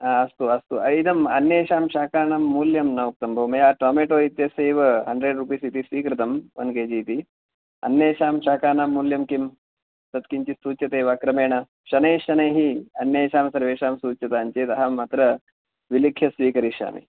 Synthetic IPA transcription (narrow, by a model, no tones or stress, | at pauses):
aːɐst̪uɐst̪uɐid̪ɐmɐnːjeːʃaːmʃaːkaːnaːmːuːljɐmnɐʋɐk̚t̪ɐmbʱɐʋɐmɐjaːʈoːmeːʈoːit̪jɐseːʋɐɦɐɳɖɾeːɖɾuːp̬isit̪isʋiːkɾit̪ɐmʋɐ̰nkeːd͡ʒiːt̪i | ɐ̰njeːʃaːmʃaːkaːnaːmːuːljɐmkim | t̪ɐt̪kiɲt͡ʃist̪uːt͡ʃjɐt̪eːʋaːkɾɐmeːɳɐ | ʃɐneːʃɐnɐjɦiɐnjeːʃaːmsɐɾʋeːʃaːmsuːt͡ʃjɐt̪aːɲt͡ʃeːt̪ɐɦamːat̪ɾɐ | ʋilikʰːjɐsʋiːkɐɾiʃa̰ːmḭ